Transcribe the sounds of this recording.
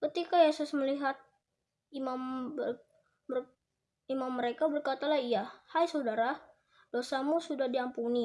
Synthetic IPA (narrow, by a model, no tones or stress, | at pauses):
kət̪ikajesʊsməliɦat̪̚ | imambə | ə | imamːəɾekabərkat̪alaɦijahajsadaɾa | dosamusudahdiampuni